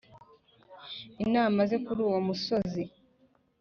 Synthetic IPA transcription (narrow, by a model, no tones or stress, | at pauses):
inaːmazekuɾuːwamuso̞zi